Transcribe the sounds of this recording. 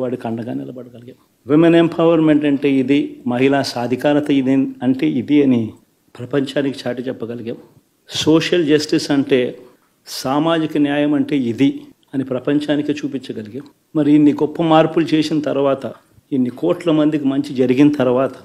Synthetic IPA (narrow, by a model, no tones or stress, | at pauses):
ʋaːɽikɐɳɖɐɡaːnḭlɐbɐɽɐɡɐliɡeːm | ʋemenempʰɐʋɐɾme̞ɳʈɐɳʈe̞ːid̪imɐɦilaːsaːd̪ʱikaːɾɐt̪ɐid̪iɐɳʈe̞ːid̪iɐni | pɾɐpɐɲt͡ʃaːniki̥t͡ʃaːʈit͡ʃɛpːɐɡɐliɡeːm | soːʂɐld͡ʒɐsʈisɐɳʈe̞ː | saːmaːd͡ʒikɐnjaːjɐmɐɳʈe̞ːid̪i | ɐnipɾɐpɐɲt͡ʃaːnikit͡ʃuːpit͡ʃːɐɡɐliɡem | mɐɾiːnːiɡɔpːɐmaːɾpulut͡ʃe̞ːsinɐt̪ɐɾuʋaːt̪ɐ | inːikoːʈlɐmɐnd̪ikimɐɲt͡ʃid͡ʒɐɾiɡinɐt̪ɐɾuʋaːt̪ɐ̥